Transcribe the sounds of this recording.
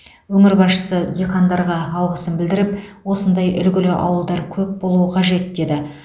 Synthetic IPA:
wɵŋɪɾbɑsʃə̥səd̪ʲekʰɑnd̪ɑɾʁɑːlˠʁəsənbɪld̪ɪɾɪpwo̞sənd̪ɑjʔʏlɡʲɪlɪʔɑ̰wəlˠd̪ɑɾkʲʰɵp̚bo̞lˠuəqʰɑʒe̞t̪̚d̪e̞d̪ɪ

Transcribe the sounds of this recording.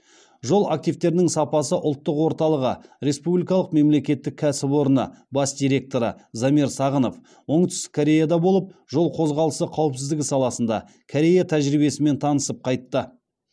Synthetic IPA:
ʒo̞lˠak̚t̪ijvt̪e̞ɾɪnɪŋsɑpɑsəʔʊlˠt̪ːəqwo̞ɾt̪ɑlˠəʁəɾe̞spublijkɑlˠəqme̞mle̞kʲe̞t̪ːɪkʲʰːæsɪpwo̞ɾənə̰bɑsd̪ʲijɾʲe̞k̚t̪o̞ɾə̰zɑmiɾsɑʁəno̞f | wo̞ɴt̪ʏ̥st̪ɪ̥kʰːoɾʲe̞jad̪ɑbo̞lˠəp̚ʒo̞lˠqʰo̞zʁɑlˠəsəqʰɑwpsɪzd̪ɪɡʲɪsɑlˠɑsənd̪ɑ̰ | kʰoɾʲe̞jat̪ʰæʒɾibe̞sɪme̞nt̪ʰɑnəsəp̚qʰɑjt̪ːə

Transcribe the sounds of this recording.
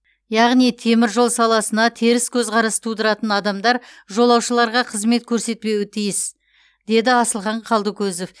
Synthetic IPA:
jɑʁnijt̪ʰe̞mɪɾʒo̞lˠsɑlˠɑsənɑt̪ʰeɾɪskʲʰɵzʁɑɾɑst̪ʰud̪əɾɑt̪ənɑd̪ɑmd̪ɑɾ | ʒo̞lˠɑwʃəlˠɑɾʁɑqʰəzme̞t̪̚kʲʰɵɾse̞t̪̚pe̞wɪt̪ʰijɪs | d̪̥e̞d̪ɪɑsəlˠχɑɴqʰɑlˠd̪əkʲɵzo̞f

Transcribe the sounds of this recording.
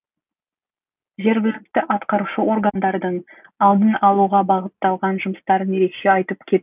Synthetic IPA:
ʒe̞ɾɡʲɪlɪk̚t̪ɪʔɑt̪qɑɾuʃəʔo̞rɡand̪ɑɾd̪əɴ | ɑlˠd̪ənɑlˠuʁɑbɑʁət̪ːɑlˠʁɑnʒʊməst̪ɑɾənje̞ɾe̞kʃe̞ɑjt̪əp̚kʲʰe̞t̪

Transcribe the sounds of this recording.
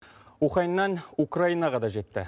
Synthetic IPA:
uχɑinːɑnukrainɑʁɑd̪ɑʒe̞t̪ːɪ̰

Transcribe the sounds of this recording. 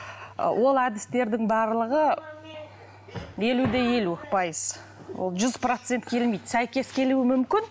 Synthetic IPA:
wʔo̞lˠæd̪ɪst̪e̞ɾd̪ɪŋbɑɾlˠəʁə | e̞lud̪e̞je̞lupʰɑjəz̥ | wo̰lˠʒʏzpro̞t̪se̞nt̪kʲʰe̞lmejd̪sæjkʲe̞skʲʰe̞luɪmʏmkʲɪn

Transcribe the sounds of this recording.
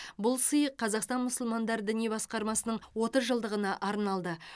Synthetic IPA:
bʊlˠsəjəqʰːɑzɑqst̪ɑnmʊsʊlˠmɑnd̪ɑɾd̪ɪnijbɑsqɑɾmɑsənəɴwo̞t̪əzʒəlˠd̪əʁənɑʔɑɾnɑlˠd̪ə

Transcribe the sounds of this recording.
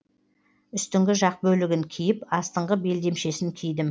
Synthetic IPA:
ʏst̪ɪŋɡʲɪʒɑq̚bɵlɪɡʲɪŋkʲʰijɪpɑst̪əɴʁəbe̞ld̪e̞mʃe̞sɪŋkʲʰijd̪ɪm

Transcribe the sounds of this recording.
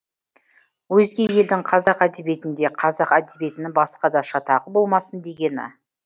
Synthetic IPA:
wɵzɡʲeje̞ld̪ɪŋqʰɑzɑqæd̪ebe̞t̪ɪnd̪e̞qʰɑzɑqæd̪ebe̞t̪ɪnɪŋbɑsqɑd̪ɑʃɑt̪ʰɑʁəbo̞lˠmɑsənd̪e̞ɡʲe̞nɪ̰

